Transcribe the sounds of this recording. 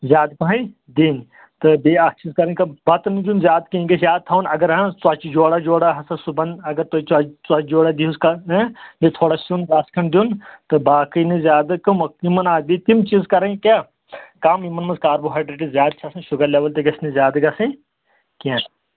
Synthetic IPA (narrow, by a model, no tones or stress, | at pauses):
zʲjaːd̪pɐɦɐ̃ | d̪in | t̪ɨbeɐkt͡ʃizkɐɾɐ̃nʲkɐbɐt̪nid͡ʒ̪unzʲjaːd̪kĩɡɐsjaːd̪̚t̪ʰɐːnɐɡɐɾɦɐ̃t͡swɐt͡ʃid͡ʒoːɽad͡ʒoːɽaɦɐsɐ̃subɐnɐɡɐɾt̪ot͡ʃɐt͡sɐt͡ʃd͡ʒoːɽɐd̪iuskɐɐ̃met̪ʰoːɽasund̪aːskʰɐnd̪ʲunt̪ɨbaːkinizʲjaːd̪ɨkɐmɐkimɐnaːbit̪imt͡ʃiːzkɐɾɐ̃ŋɡkʲaː | kamimɐnmɐzkaːɾbuɦɐːɖɾeʈ̬izzʲjaːd̪̚t͡ʃʰɐsɐ̃ʃuɡɐɾleːʋɐlt̪ɐɡɐsʲnizʲaːd̪ɡɐsɐ̃ | kãːn